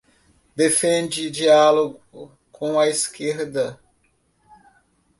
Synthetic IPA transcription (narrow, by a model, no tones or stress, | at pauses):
d̪efẽnd͡ʒɪd͡ʒialoɡʊ | kʰõw̃ɐiskeɾd̪ɐ